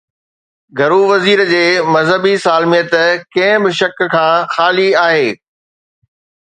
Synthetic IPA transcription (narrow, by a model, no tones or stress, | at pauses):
ɡʱɐɾuʋɐziːɾd͡ʑeːmɐzɦəbisaːlmijət̪kɐ̃ɦɪ̃bɪʃɐkkʰãːxaːliaːɦeː